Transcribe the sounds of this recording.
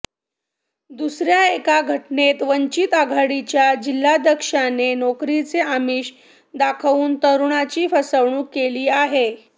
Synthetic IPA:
d̪usɾjaekaɡʱəʈnet̪ʋəɲt͡ɕit̪aɡʱaɽit͡ɕjad͡ʑilːad̪ʱəkʂanenokɾit͡seamiːɕ | d̪akʰʋuːnt̪əɾuɳat͡ɕiːfəsəʋɳ̃ũːkeliːaɦe

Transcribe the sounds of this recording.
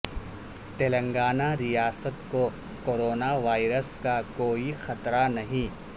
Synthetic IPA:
t̪eːlə̃ŋɡaːnaɾijaːsət̪ko | koːɾoːnaʋaːɪɾəskakoːixɐt̪ɾanɐɦĩː

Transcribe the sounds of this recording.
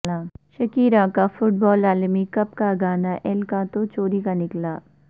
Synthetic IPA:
aːʃɐkiːɾãkafʊʈ̚bɔːlaːlmikɐp̚kaɡaːnaʔɛlkat̪ot͡ʃoːɾikanɪklaː

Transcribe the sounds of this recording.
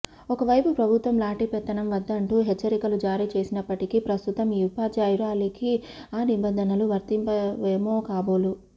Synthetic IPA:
ɔkɐʋɐjpupɾɐbʱut̪ʋɐmlaːʈipɛt̪ːɐnɐmʋɐd̪ːɐɳʈuːɦet͡ʃːɐɾikɐlud͡ʒaːɾiːt͡ʃe̞ːsinɐpːɐʈikipɾɐst̪ut̪ɐmiːupaːd͡ʒaːjuɾaːliki | aːnibɐnd̪ʱɐnɐluʋɐɾt̪impɐʋeːmoːkaːboːlu

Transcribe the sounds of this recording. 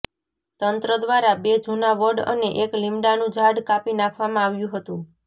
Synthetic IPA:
t̪ənt̪ɾəd̪ʋaɾabed͡ʒʱunaʋəɖə̰neʔeklimɖanũd͡ʒʱaɽkapinakʰʋamãaʋjũɦət̪ũ

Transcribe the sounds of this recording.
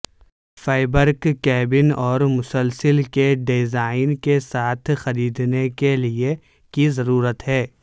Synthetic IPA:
faːɪbəɾkkɛːbɪnɔːɾmʊsəlsəlkeɖezaːɪnkesaːt̪ʰxɐɾiːd̪nekelie | kizɐɾuːɾət̪ɦɛː

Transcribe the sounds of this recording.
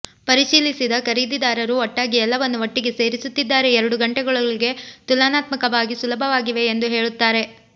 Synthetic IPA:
pɐɾiʃiːlisid̪ɐkɐɾiːd̪id̪aːɾɐɾuɔʈːaːɡiɛlːɐʋɐnːuʋɐʈːiɡe̞se̞ːɾisut̪ːid̪ːaːɾeɛɾɐɽuɡɐɳʈɛɡɐɭɐɭiɡe̞t̪ulaːnaːt̪mɐkɐʋaːɡisulɐbʱɐʋaːɡiʋe̞ːnd̪uɦe̞ːɭut̪ːaːɾe̞

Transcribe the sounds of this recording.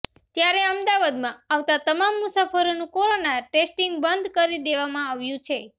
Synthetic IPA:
t̪jaɾeəmd̪aʋad̪mãaʋt̪at̪əmamːusafəɾonũkoɾonaʈesʈiŋɡbənd̪kəɾid̪eʋamãaʋjũt͡ʃʰe

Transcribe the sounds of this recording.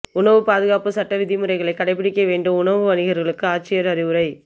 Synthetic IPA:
ʊɳɐʋɯpaːðɯɣaːpɯsɐʈːɐʋɪðɪmɯɾɐɪɣɐɭɐɪkːɐɽɐɪpːɪɽɪkːɐʋeːɳɖɯmʊɳɐʋɯʋɐnɪɣɐɾɣɐɭɯkːɯaːt͡ʃːɪjɐɾɐɾɪʋɯɾɐɪ

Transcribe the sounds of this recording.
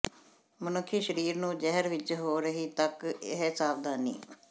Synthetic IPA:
mʊnʊkʰːiːʃəɾiːɾnũːd͡ʒɛɦəɾʋɪt͡ʃɦoːɾəɦiːt̪əkɪɦsaːʋd̪aːnḭː

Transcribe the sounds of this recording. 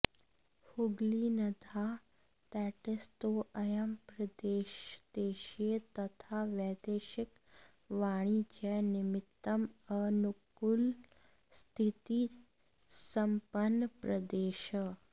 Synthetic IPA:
huɡlinəd̪ʱa | t̪ɛʈest̪oʔəjəmpɾəd̪eʃd̪eʃet̪ət̪ʰaʋɛd̪eʃɪk | ʋaɽ̃id͡ʒɛnɪmɪt̪ːəmənukul | st̪ʰit̪i | səmpənpɾəd̪eʃə

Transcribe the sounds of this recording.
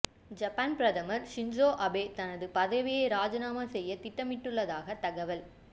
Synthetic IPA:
d͡ʒɐpːaːnpɾɐðɐmɐɾsɪɲd͡ʒoːʔɐbeːt̪ɐnɐðɯpɐðɐʋɪjɐɪɾaːd͡ʒɐnaːmɐsɛjːɐt̪ɪʈːɐmɪʈːɯɭːɐðaːɣɐt̪ɐɣɐʋɐl

